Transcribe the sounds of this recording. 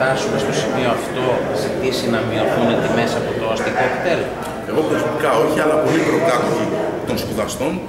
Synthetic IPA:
ɾɐsume̞st̪o̞simio̞ɐft̪o̞zit̪isinɐmio̞θunet̪ime̞siɐpot̪oɐst̪ikokt̪elo | e̞ɣo̞xoɾizmɐt̪ikɐo̞çiɐlɐpo̞lipɾo̞k̪ɐt̪içit̪o̞nspuðɐst̪o̞n

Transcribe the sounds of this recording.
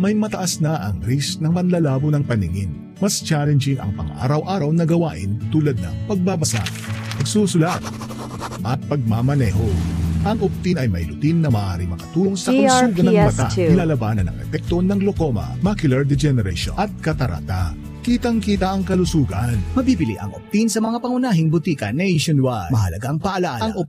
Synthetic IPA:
mɐjmɐt̪ɐʔasnɐʔɐŋɾisnɐŋpɐnlɐlaːbonɐŋpɐnɪŋɪn | mɐst͡ʃalɛnd͡ʒɪŋɐ̰ŋpɐ̰ŋʔa̰ːɾɐwʔaːɾɐwnɐɡɐwaːʔɪnt̪uːlɐd̪̚nɐŋpɐɡ̚baːbɐsa̰ | pɐɡsuːsʊlat̪̚ | ʔɐt̪̚pɐɡ̚mamɐnɛːɦo̞ʔɐŋʔʊp̚t̪inɐjmɐ̰jlʊt̪inːɐmɐʔa̰ːɾɪmɐkɐt̪uːloŋsɐkɐʊsuːɡɐnbɐt̪aɪnlaːlɐbaːnɐ̰nɐ̰ŋʔɛ̰pɛk̚t̪onɐŋlokomɐ̰makʊlɐɹd̪ɛd͡ʒɛnɛɾɛ̰ʃo̰ʔɐt̪̚kɐt̪ɐɾʔa̰t̪a | kiːt̪ɐŋkiːt̪ɐʔɐŋkɐlʊsuːɡɐnmɐbiːbɪlḭʔɐ̰ŋʔop̚t̪insɐmɐŋapɐŋʊnaːɦɪŋbʊt̪iːkɐnɛjʃonwamɐɦɐlɐɡaŋpɐʔɐlaʔaɐŋʔ

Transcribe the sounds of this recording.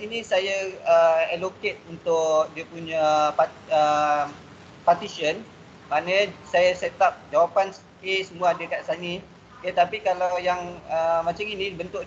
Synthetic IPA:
inĩsajaəɛloket̪̚unt̪ʊʔ̚diəpuɲapaə | pat̪isiən | manəsajaset̪ap̚d͡ʒawapans | kesəmũaːdəkaʔsani | kət̪apikalawjaŋəmãt͡ʃaŋinĩbənt̪ʊʔ

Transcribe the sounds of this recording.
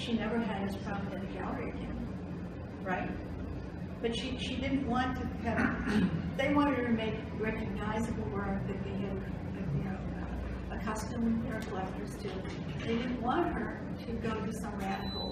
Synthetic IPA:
ʃinɛvə˞ɨɾɨz̥pʰɹ̥ɑvɨnɨ̃nɨɡælˠəɹiɨɡɛ̰̃n | ɹaɪt̚ | b̥ʌtʃiʃidɪdⁿn̩ʔwɑ̃ntʰɨkʰʌ̃m | ðeɪwɑ̃ɾ̃ɨɾ̚ɾɨmeɪk | ɹɛkɨɡ̚naɪzɨbl̩ˠwɜ˞k̚ðɨt̪̚ðeɪɨɾ | ɨɨnoʊ | ʌ | ɨkʰʌstɨ̃m̃ðɨlɛftʰə˞z̥tʰɨ | ðeɪɾɪdⁿn̩ʔwɑ̃nt̚hə˞ | ɾɨɡoʊɾɨsʌ̃mɹæɾɨfl̩ˠ

